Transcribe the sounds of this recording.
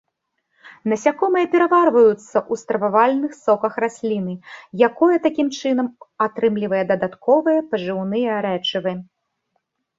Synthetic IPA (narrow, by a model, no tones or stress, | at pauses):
nɐsʲakɔmɨjɐpʲɛɾɐvarvɐjut̪sːɐʔust̪ɾɐvavalʲnɨxsɔkɐxɾasʲlʲinɨjakɔjɐt̪akʲimt͡ʂɨn̪ɐmat̪ɾɨmlʲivɐjɐd̪ɐd̪at̪kɔvɨjɐpɐʐɨwnɨjɐɾɛt͡ʂɨvɨ